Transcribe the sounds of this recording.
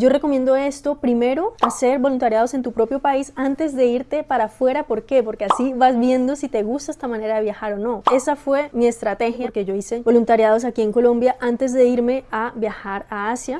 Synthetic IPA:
d͡ʒo̞re̞ko̞mje̞nd̪o̞e̞st̪o̞pɾime̞ɾo̞ase̞ɾbo̞lunt̪aɾjað̞o̞se̞nt̪upɾo̞pjo̞paisant̪e̞zd̪e̞iɾt̪e̞paɾafwe̞ɾapo̞ɾke̞po̞ɾke̞asiβazbje̞nd̪o̞sit̪e̞ɣust̪aest̪amãne̞ɾaðe̞βjaxaɾo̞no̞e̞safwe̞mie̞st̪ɾat̪e̞xjaɾke̞ʝo̞ise̞bo̞lunt̪aɾjað̞o̞s̬akie̞ŋko̞lo̞mbjaʔant̪e̞zd̪e̞iɾme̞abjaxaɾaasja

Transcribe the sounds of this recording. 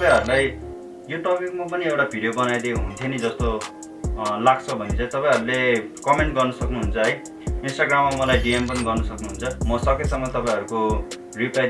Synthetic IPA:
t̪ʌpãj̃ɦʌɾulaj | joʈʌpik̚map̬ʌniewʈabʱiɖijobʌnajd̪ioɦunt̪ʰjeʌnid͡zʌst̪o | lakt͡sʰʌbʱʌnit͡sʰʌt̪ʌpãj̃ɦʌɾulekʌmeɳʈ̚ɡʌrnʌsʌknuɦunt͡sʰʌɦʌj | insʈaɡramːamʌlajɖiempʌniɡʌrnʌsʌknuɦunt͡sʰʌmʌsʌkesʌŋːʌt̪ʌpãj̃ɦʌɾuko | ripla

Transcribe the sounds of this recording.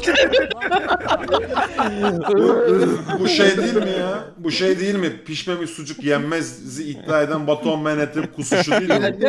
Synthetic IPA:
bubuʃejd̪ejilʲmijabuʃejd̪ejilʲmipʰiʃmemisud͡ʒukjɛmːɛzziːt̪ːaːed̪ænbat̪ʰonmenet̪ʰip̚kʰusuʃud̪ijilʲmi

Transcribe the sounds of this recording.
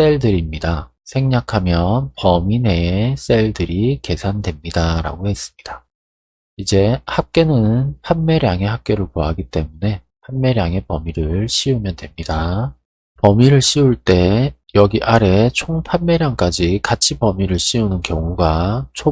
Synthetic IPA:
s͈e̞ɭdɯɾimɲida | sʰe̞ŋɲakʰamjʌnpʌmine̞s͈e̞ɭdɯɾike̞sʰandwe̞mɲidaɾa̰ɡohe̞s͈ɯ̥mɲid̥a | id͡ʑe̞hak̚k͈e̞nɯnpʰanme̞ɾjaŋe̞hak͈e̞ɾɯɭkoaɡit͈e̞mune̞ | pʰanmːe̞ɾjaŋe̞pʌmiɾɯɭɕʰiumjʌntwe̞mɲida | pʌmiɾɯɭɕ͈ʰiuɭt͈e̞jʌɡiʔaɾe̞t͡ɕʰoŋpʰanme̞ɾjaŋk͈ad͡ʑikat͡ɕʰipʌmiɾɯɭɕ͈ʰiunɯnkjʌŋuɡat͡ɕʰo

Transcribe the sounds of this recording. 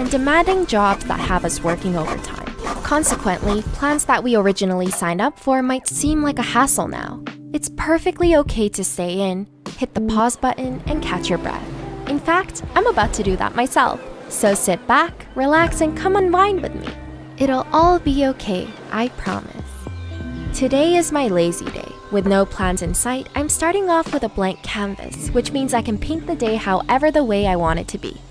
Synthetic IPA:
ɨ̃ndɨmæ̃ndɪ̃ŋd͡ʒɑbz̥ðə̰t̚həvʌswɜ˞kɪ̃ŋoʊvə̰˞tʰã̰ɪ̃mkʰɑ̃nsɨkʰw̥ɨ̃nʔlipʰl̥æ̃nzðəʔ̚wiə˞ɪd͡ʒɨnl̩ˠisãɪ̃ndʌpfɔɹmaɪtsĩmlaɪkɨhæsl̩ˠna̰ʊɨtspʰɜ˞fɨk̚tˡlioʊkʰeɪɾɨsteɪɪ̃n | hɪt̪̚ðəpʰɔzbʌʔn̩ʔɨ̃nkʰæt͡ʃjə˞bɹɛ̰θɨ̃nfæk̚tãɪ̃məbaʊtʰɨdɨðə̰t̚mʔaɪsɛ̰lˠf | soʊsɪt̚b̥æk | ɹilæksɨ̃nkʰʌ̃mə̃nlãɪ̃nwɨ̰ðmḭ | ʔɨɾl̩ˠɔlˠbioʊkʰeɪʔa̰ɪpʰɹ̥ɑ̰mɨ̰s | tʰɨdeɪɨzmaɪleɪzḭdḛɪ | wɨðnoʊpʰl̥æ̃nzɨ̃nsaɪɾãɪ̃mstɑɹɾɪ̃ŋɔfwɨðəblæ̃ŋkʰæ̃ɱvɨ̰swɨt͡ʃmĩnzaɪkɨ̃npʰẽɪ̃n̚ðɨdeɪhaʊʔɛvə˞ðəweɪaɪwɑ̃ɾ̃ɨ̰d̚tʰɨbḭ

